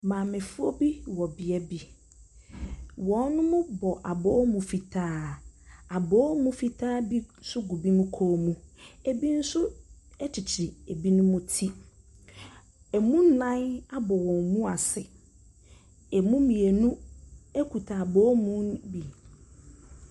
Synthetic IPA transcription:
mãː˨mɪ̃˨fu˦o˦bi˦wɔ˨bi˨ɛ˦bi˨ | wɔ̃˨˦n˦nʊ̃˦mʊ̃˦bɔ˨ʔa˨bɔː˦mũ˨fi˨tʰaː˦ | a˨bɔ˦mũ˦fi˨tʰaː˦bi˦sʊ˦ɡu˨bi˦nũ˦kʰo˦mũ˦e˨bi˦n̩˦sʊ˦ɛ˦t͡ɕʰɪ˨t͡ɕʰɪ˨ɾɪ˨e˨bi˦nʊ̃˦mʊ̃˦tʰi˦ | ɛ˨mũ˦n̩˦nã˦na˦bɔ˨wɔ̃˨nmũ˦a˨sɪ˨ | ɛ˨mũ˦mĩ˨e˨nũ˦e˦kʰu˨tʰa˨bɔ˦mũ˦bi˨

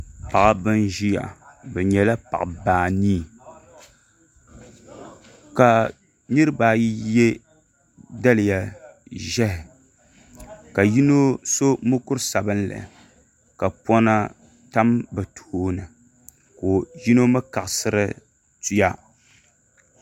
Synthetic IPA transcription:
pa˨a˨˦bɨ˦nʒi˦ja̰˨bɛ˨ɲɛ˨la˦pa̰˨ʔbaː˨niː˦˨ | ka˨ | nɨ˦ɾɨ˦baː˨ji˦jɛ˦ | da˦lɪ˨ja˨ʒɛ˦hɪ˨ | ka˨ji˦no˦so˦mʊ˦kʊ˦ɾsa˨bɨ˦nla̰˨ | ka˨pɔ˦na˦ | ta˦mbɨ˨tʰu˨hoː˦nɨ˨ | koː˨ji˦no˦mɨ˦ka˨ʔsɨ˦ɾɨ˦ | tu˦ja˦

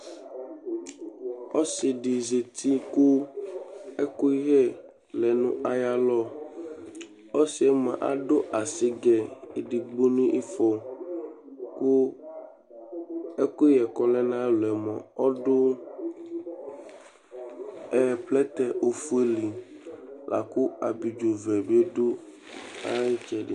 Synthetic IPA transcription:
o˦si˨ɖi˨ze˨t̪ʰi˦ku˦ | e˦ku˦i˦ɣɛ˦ | lɛ˨nũ˦ʔa˦ja˦lɔ˦ | o˦si˨˦ɛ˦mã̰˨ʔa̰˦ɖo˦ʔa˨si˦ɡɛ˨i˨ɖi˨ɡ͡bo˦nũ˦ʔi˦fɔ˦ | ku˦ | e˦ku˦jɛ˨kɔ˦lɛ˦nã˦lɛ˨mɔ̰̃˨ɔ˦ɖʊ˦ | ɛ˦plɛ˦t̪ɛ˦ʔo˨fu˦e˦li˨ | la̰˨ku˦a˨bi˨d͡ʒo˨vɛ˨be˦ɖo˦ | a˦i˦t͡ʃɛ˨ɖḭ˨

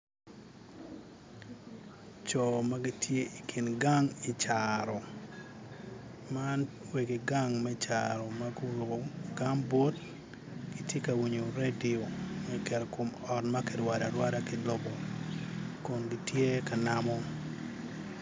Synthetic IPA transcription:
t͡ʃɔ˨ma˦ɡi˦tʰje˦i˨kʰi˨nɡa˦ŋi˨t͡ʃaɾɔ˨ | man | we˨ɡi˨ɡa˦ŋmɛ˦t͡ʃa̰ɾɔ˨ma˦ɡo˦ɾo˨ɡo˨ɡ̥a˦ŋbo˦t | ɡ̥i˦tje˦ka˨wi˨ɲo˨ɾe˦di˨o˨mɛ˨kɛ˨lko˨mɔ˨tma˦kɛ˨dwa˨da˨ɾwa˦da˦ki˦lɔ˦bɔ˨ | kɔ˨nɡitje˦ka˨namɔ˦

